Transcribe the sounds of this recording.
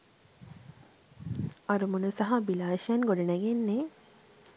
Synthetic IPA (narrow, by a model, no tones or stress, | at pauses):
ɐɾumunusɐɦabilaːʃɐnɡoɖɐnæɡenːe